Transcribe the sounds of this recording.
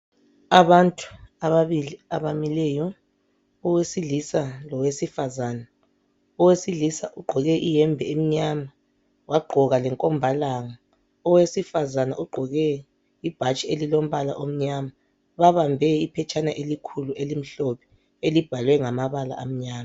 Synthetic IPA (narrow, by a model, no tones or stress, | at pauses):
aβantʼu̥aβaβiliaβamilɛjɔ | ɔwesilisalɔwesifazana | ɔwesilisaʔuɡ͡ǃʱɔɣɛʔijɛmbʱɛem̩ɲama | waɡ͡ǃʱɔɣalɛŋkʼɔmbʱalaŋa | ɔwesifazana̰ʔuɡ͡ǃʱɔɣɛ | ib̥ʱat͡ʃʼielilom̩βala̰ʔom̩ɲaːma | βaβambʱɛipʰɛt͡ʃʼanaʔelikʰuluʔelim̩ɬɔpʰɛ̥ | elib̥ʱalwɛŋamaβala̰ʔam̩ɲaːma